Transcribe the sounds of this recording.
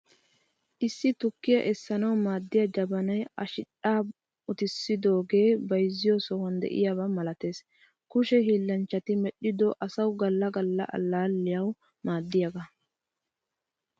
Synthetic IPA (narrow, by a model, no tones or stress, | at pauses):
ʔɪsːɪt̪ʊkːɪjɐ̰ʔɛsːɐnɐwmaːd̪ːɪjɐd͡ʒɐbɐnɐjɐʃɪᶑaː | ʊt̪ɪsːɪd̪o̞ːɡe̞ːbɐjzːɪjosɔwɐnd̪ɛ̰ʔɪ̰jaβɐmɐlɐt̪e̞ːs | kʊʃɛɦiːlːɐnt͡ʃːɐt̪ɪmɛɗːɪd̪ɔʔɐsɐwɡɐlːɐɡɐlːɐ̰ʔɐ̰lːaːlːɪjɐw | maːd̪ːɪjɐɡɐ